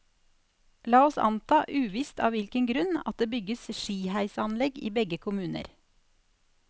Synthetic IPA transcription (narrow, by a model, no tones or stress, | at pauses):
lɑːɔsɑ̰nt̪ʰɑːʔʉːʋiːst̪ʰɑ̰ːʋɪlkəŋɡɾʉnɑ̰t̪̚d̪eːbʏɡəsʃiːhæɪsɑnlɛɡḭːbɛɡəkʰʊmʉːnə̰ɾ